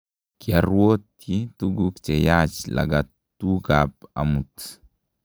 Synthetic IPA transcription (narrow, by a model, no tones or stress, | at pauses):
kiaɾwot | ituɡukt͡ʃɛjat͡ʃla̰ɡa | tukapa̰mut